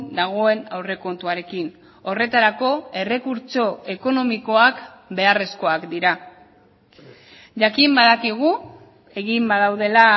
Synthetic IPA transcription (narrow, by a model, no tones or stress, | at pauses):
d̪aɣ̞o̞e̞nawre̞ko̞nt̪uaɾe̞kin | o̞re̞t̪aɾako̞e̞re̞kuɾt͡ʃo̞e̞ko̞no̞miko̞akbe̞are̞sko̞akd̪iɾa | ʝakimbaðakiɣ̞u | e̞ɣimbaðawðe̞la